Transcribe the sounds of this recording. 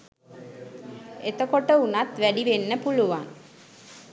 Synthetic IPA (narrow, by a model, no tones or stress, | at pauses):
et̪əkoʈəunat̪ʋæɖiʋenːəpuluʋaŋ